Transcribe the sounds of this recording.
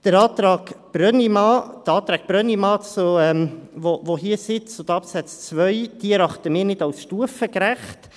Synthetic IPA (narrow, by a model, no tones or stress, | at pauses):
d̪̥əɾɑːt̪ɾɑːɡb̥ɾœnimɑːd̥̪əɑːt̪ɾɑːk̚b̥ɾœnimɑːt͡suɛmvovoɦiəsɪt͡sʊd̪ɑpsɛt͡st͡sʋœʏd̪̥iəɾɑχtəmɪːɾnɪd̥awsʃtuəfəkɾæχt